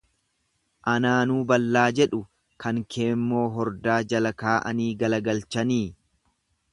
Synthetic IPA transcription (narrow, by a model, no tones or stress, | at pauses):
ʔɐnaːnuːbɐlːaːd͡ʒɛᶑʊ | kɐŋkʰe̞ːmːoːɦɔɾd̪aːd͡ʒɐlɐkaːʔɐ̰niːɡɐlɐɡɐlt͡ʃɐniː